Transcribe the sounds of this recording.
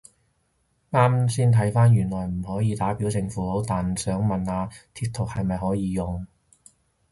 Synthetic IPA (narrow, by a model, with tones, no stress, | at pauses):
ŋaː˥msiː˥nt̪ʰɐ˨˥jfaː˥njyː˨˩nlɔː˨˩jm̩˨˩hɔː˨˥jiː˨˧t̪aː˨˥pi˨˥wt͡sɪ˧ŋfuː˨˥ho˨˥wt̪aː˨nsœː˨˥ŋmɐ˨naː˧t̪ʰiː˧t̪ʰːʊ˨k̚hɐ˨jmɐ˨jɦɔː˨˥jiː˨˧jʊ˨ŋ